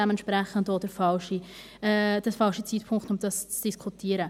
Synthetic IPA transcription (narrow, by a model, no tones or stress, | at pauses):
ɛmənt̪ʃpɾæχəndod̥əɾfɑlʃi | d̥ɛfɑlʃit͡siːtpʰʊŋktʊmd̥ɑst͡sd̥iskʰutʰiːəɾə